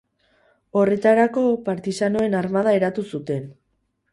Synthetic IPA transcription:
o̞re̞t̪aɾako̞paɾt̪isano̞e̞naɾmað̞ae̞ɾat̪usut̪e̞n

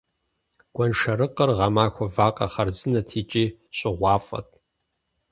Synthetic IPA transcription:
ɡ̥ʷɐnʂɐɾɨqʼərʁɐmaːxʷɔvaːqɐ̰χɐrzɨnɐtʰiːt͡ʃʼiːɕʼɪʁʷɑːfʼɐ̰t̚ʼ

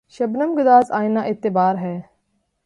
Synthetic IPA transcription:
ʃɐbnəmɡʊd̪aːzaːɪnaːʔɪt̪ːɪbaːɾɦɛː

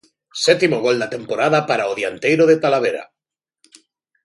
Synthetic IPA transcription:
sɛt̪imoɣ̞o̞ld̪at̪e̞mpoɾaðapaɾaoðjant̪ejɾoðet̪alaβ̞eɾa̰

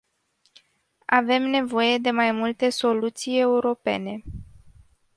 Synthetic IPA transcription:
ave̞mne̞vo̞je̞d̪e̞majmult̪e̞so̞lut̪sije̞uɾo̞pe̞̰ne̞

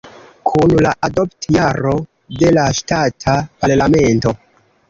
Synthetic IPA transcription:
kʰunlaʔado̞ptjaɾo̞ | de̞laʃtatʰapaɾlame̞nto̞

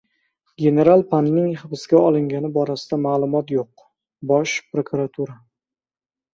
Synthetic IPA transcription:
ɡʲe̞ne̞ɾalˠpʰanːɪŋχɨbɪsɡʲaɒlˠɪŋɡʲanɪbɒɾasɪd̪amaːlˠʊmɒt̪joq̚ | bɒʃpɾokʰuɾat̪ʰuɾa

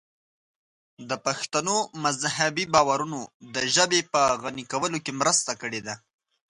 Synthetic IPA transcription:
d̪əpaxt̪anomazhabibɑwaɾunod̪əʒəbepəɣanikawəlokemɾəst̪akəɽed̪a

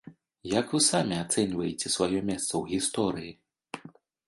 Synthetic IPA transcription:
jakvɨsamʲiat̪sɛnʲvɐjet͡sʲɛsvajɔmʲɛst̪sɐwɣʲist̪ɔɾɨji

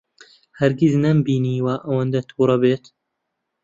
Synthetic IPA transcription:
hɐɾɡiznɐmbiːniːwaʔɐwɐnd̪ɐt̪ʰuːɾˤɐbeːt̪

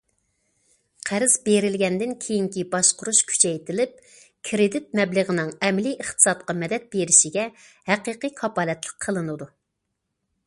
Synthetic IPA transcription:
qʰæɾɪz̥beɾɪlɡʲɛnd̪ɪnkʲʰejiŋkʲibɑʃqʊɾuʃkʲʰy̥t͡ʃʰɛjt̪ɪlɪp̚ | kʲʰɾɪd̪ɪt̪̚mɛbləʁənɨŋɛmliʔəχt̪ɨ̥sɑt̪̚qɑmɛd̪ɛt̪̚beɾɪʃiɡʲɛ | hæqiqikʰɑpɑːlɛt̪lˠə̥qʰːəlˠɨnɨd̪u

